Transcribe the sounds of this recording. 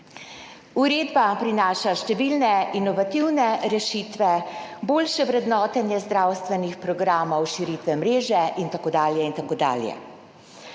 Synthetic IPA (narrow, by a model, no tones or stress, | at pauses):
uɾeːd̪bapɾinaːʃaʃt̪ɛʋilnɛinɔʋat̪iwnɛɾɛʃiːt̪ʋɛboːlʃɛʋɾɛd̪nɔːt̪ɛnjɛzd̪ɾaːwst̪ʋɛnixpɾɔɡɾaːmɔwʃiɾit̪ʋɛmɾeːʒɛʔint̪akoːd̪aːljɛint̪akoːd̪a̰ːljɛ̰